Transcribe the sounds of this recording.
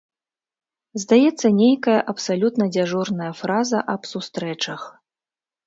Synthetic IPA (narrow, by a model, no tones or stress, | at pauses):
zd̪ajɛt̪sːɐnʲejkɐjɐʔɐpsalʲut̪nɐd͡zʲaʐɔrnɐjɐfɾazɐʔɐpsust̪ɾɛt͡ʂɐx